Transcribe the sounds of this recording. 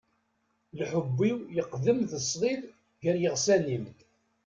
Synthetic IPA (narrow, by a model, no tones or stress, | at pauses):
lħəbːiwjəqːðəmðəsˤðˤið | ʝəɾjəʁsænimd̪